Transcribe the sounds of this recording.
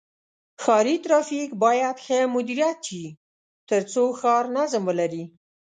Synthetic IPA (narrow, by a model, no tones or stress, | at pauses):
xɑɾit̪ɾɑfikbɑjad̪xəmʊd̪iɾijat̪ʃi | t̪əɾt͡soxɑɾnazmwəlaɾi